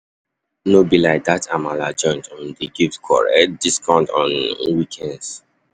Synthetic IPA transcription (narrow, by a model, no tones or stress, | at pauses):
nobilaɪdatʰamalad͡ʒɔ̃ɪ̃ntʰɔ̃ndiɡiftkʰɔ̰ɹɛ̰diskãntɔ̃nwikʰɛ̃nds